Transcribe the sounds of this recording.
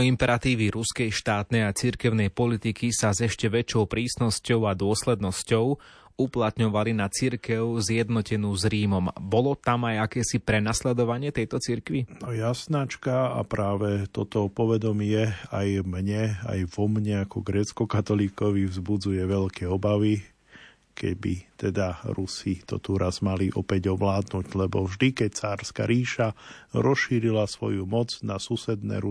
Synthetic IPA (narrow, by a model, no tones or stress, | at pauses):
impɛɾat̪iːʋiɾuskɛjʃt̪aːt̪nɛjat͡siɾkɛʊnɛjpɔlit̪ikisazɛʃcɛʋɛt͡ʃɔʊpɾiːsnɔscɔʊad̪ʊɔslɛd̪nɔscɔʊ | uplat̪ɲɔʋalinat͡siɾkɛʊzjɛd̪nɔcɛnuːzɾiːmɔmbɔlɔt̪amajakɛːsipɾɛnaslɛd̪ɔʋaɲɪɛt̪ɛjt̪ɔt͡siɾkʋinɔjasnat͡ʃkaa̰pɾaːʋɛt̪ɔt̪ɔpɔʋɛd̪ɔmɪɛajmɲɛa̰jʋɔmɲɛakɔɡɾɛːt͡skɔkat̪ɔliːkɔʋivzbud͡zujɛʋɛʎkʰɛɔbaʋi | kɛ̰ɟbḭt̪ɛd̪aɾusit̪ɔ̰t̪uɾazmaliʔɔpɛɟɔʋlaːd̪nuɟlɛbɔvʒd̪ikɛct͡saːɾska̰ɾiːʃaɾɔsʃiːɾilasʋɔjumɔd͡znasusɛd̪nɛ̰ːɾu